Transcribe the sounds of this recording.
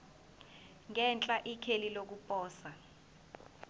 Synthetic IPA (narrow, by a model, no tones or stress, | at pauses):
ŋɛnt͡ɬʼaʔikʰelilok̬upʼɔːsa